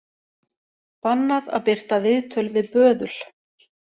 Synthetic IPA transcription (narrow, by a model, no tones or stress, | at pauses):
panːaða̰ðpɪr̥t̪avɪðt̪ʰœlvɪðpœːðʏl̥